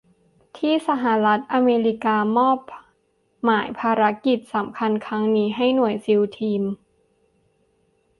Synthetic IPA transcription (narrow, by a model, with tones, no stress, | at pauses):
t̪ʰiː˥˩sa˧ɦa˧˦la˦˥t̪̚ʔaː˧meː˧ɾi˦˥kaː˧mɔː˥˩p̚ | maː˩˦jpʰaː˧ɾa˦˥ki˨˩t̪̚sa˩˦mkʰa˧nkʰɾa˦˥ŋniː˦˥ɦa˥˩jnu˨˩əjsi˧wt̪ʰiː˧m